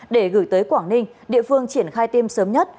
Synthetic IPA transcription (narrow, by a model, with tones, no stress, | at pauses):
ɗe˧˩ɣɨ˧˩jt̪əː˨˦jkwaː˧˩ŋnï˧ŋ̟ɗḭ˧˨əfɨ˧əŋt͡ɕi˧˩ənxaː˧jt̪i˧msəː˨˦mɲə˦˥t̚